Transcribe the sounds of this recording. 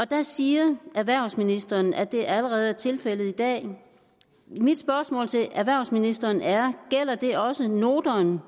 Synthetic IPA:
ɒ̽d̥æsiːɐʔæʋæɐʊsminisd̥ɐnʔæd̥e̝æləʁɛːð̞̩ˠæɐt͡sʰe̝lfel̰ð̩ˠid̥ɛ̰ː | mid̥sb̥ɶɐsmɔ̰̽ːlt͡sʰe̝ʔæʋæɐʊsminisd̥ɐːnʔæɐɡ̥el̰ɐd̥e̝ʔɒ̽səno̝ːd̥ɐn

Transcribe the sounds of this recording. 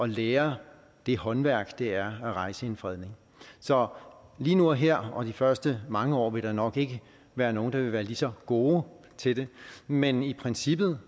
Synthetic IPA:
ʔɒ̽leːɐ | d̥e̝hɒ̽nʋæɐ̰ɡ̥d̥eæɐæʁɑ̈ɪsəe̝nfʁɛð̞̰ˠne̝ŋ | sɒ̽liːnuɦeɐ̰ɒ̽d̥ifɶɐsd̥əmɑ̈ŋəɒ̰ːʋe̝ld̥ɑ̈nɒ̽ɡ̥e̝ɡ̥ə | ʋæːɐno̝ːn̩d̥ɑʋe̝ʋæːɐlisɒ̽ɡ̥o̝ː | t͡sʰe̝d̥e̝menipʰʁɛnsib̥ð̩ˠ

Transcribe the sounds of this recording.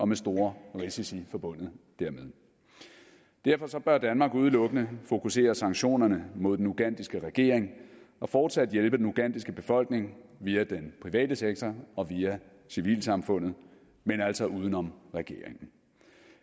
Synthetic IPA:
ɒ̽mesd̥o̝ːɐʁisisifɒ̽b̥ɔ̽n̰ð̩ˠd̥æɐmeð̞ˠ | d̥æɐ̰fɒ̽sɒ̽b̥ɶɐd̥ænmɑ̈ːɡ̥uð̞ˠlɔ̽ɡ̥ənəfo̝kʰuse̝̰ːɐsɑ̈ŋɕo̝̰ːnɐnəmo̝ð̰ˠdenuɡ̥æn̰d̥isɡ̥əʁɛɡ̥e̝̰ɐ̰eŋɒ̽fɒːd̥sæd̥jelb̥əd̥enuɡ̥æn̰d̥isɡ̥əb̥e̝fɒ̽l̰ɡ̥ne̝ŋʋiːæd̥enpʰʁiʋɛ̰ːd̥əseɡ̥̚t͡sʰɒɒ̽ʋiːæ | siʋḭːlsɑ̈mfɔ̽n̰ð̩ˠ | menæl̰sɒ̽ʔuːð̞ˠən̩ɒ̽mʁɛɡ̥e̝̰ɐ̰eŋn̩

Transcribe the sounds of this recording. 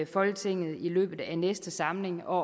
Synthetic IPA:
fɒ̽lɡ̥ət͡sʰe̝ŋ̰ð̩ˠilø̰ːb̥ð̞̩ˠænesd̥əsɑ̈mle̝ŋɒ̰ː

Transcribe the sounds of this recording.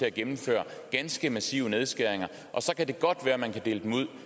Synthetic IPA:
e̝æɡ̥emm̩fø̰ːɐɡ̥ænsɡ̥əmæsḭːʊəne̝ð̞ˠsɡ̥æɐ̰eŋɐ | ʔɒ̽sɒ̽kʰæd̥e̝ɡ̥ɒ̽d̥ʋæːɐmænkʰæd̥e̝̰ːləd̥emuð̞̰ˠ

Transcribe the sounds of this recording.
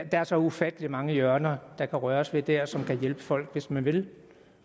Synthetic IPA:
d̥ɑ̈æɐsɒ̽ufæd̥əlimɑ̈ŋəjœɐnɐd̥ɑ̈kʰæʁɶɐɒsʋe̝d̥æɐ̰sɒ̽mkʰæjelb̥əfɒ̽l̰ɡ̥ʋe̝smænʋe̝l

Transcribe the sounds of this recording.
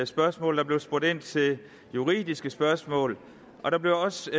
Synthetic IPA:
sb̥ɶɐsmɔ̰̽ːld̥ɑ̈b̥le̝ʊsb̥ʁɔde̝n̰t͡sʰe̝ | juʁḭːdˠisɡ̥əsb̥ɶɐsmɔ̰̽ːl | ʔɒ̽ɾ̥ɑ̈b̥le̝ʊɒ̽s

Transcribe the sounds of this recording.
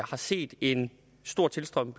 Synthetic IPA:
hɑ̈se̝̰ːd̥e̝n | sd̥o̝ɐ̰t͡sʰe̝lsd̥ʁɒm̰b̥l

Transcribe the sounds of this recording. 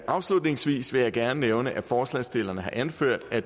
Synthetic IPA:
ʔɑ̈ʊslud̥ne̝ŋsʋḭːsʋe̝jɑ̈ɪɡ̥æɐnəneʊnəʔæfɒːslɛsd̥e̝lɐnəɦhɑ̈ʔænføɐ̰d̥æ

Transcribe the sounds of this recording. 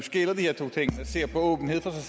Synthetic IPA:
sɡ̥elɐd̥iheɐ̰t͡sʰo̝̰ːt͡sʰeŋ̰æse̝ɐ̰pʰɒɔ̽ːb̥n̩he̝ð̰ˠfɒsɑ̈ɪ

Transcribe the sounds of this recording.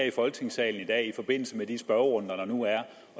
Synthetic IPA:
ɐ̰ifɒ̽lɡ̥ə̥t͡sʰe̝ŋsɛ̰ːln̩id̥ɛ̰ːifɒ̽b̥e̝n̰l̩səmed̥isb̥ɶʊɔ̽n̰d̥ɐɾɑ̈nuæɐ | ɒ̽

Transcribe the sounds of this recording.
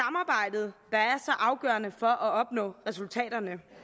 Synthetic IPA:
sɑ̈mɑ̈ːb̥ɑ̈ɪ̰d̥ð̞̩ˠd̥ɑ̈æɐsɒ̽ʔɑ̈ʊɡ̥ɶ̰ːɐnəfɒ̽ʔɒɒ̽b̥nɔ̰ːʁɛsult͡sʰɛ̰ːd̥ɐnə

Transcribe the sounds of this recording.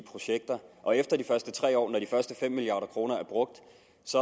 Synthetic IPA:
pʰʁo̝ɕeɡ̥̚d̥ɐʔɒ̽efd̥ɐd̥ifɶɐsd̥ət͡sʰʁɛ̰ːɒ̰ːnɒɾ̥ifɶɐsd̥əfem̰ːiliɑ̰̈ːɾɐkʰʁo̝ːnɐæɐb̥ʁɔ̽ɡ̥̚d̥ | sɒ̽

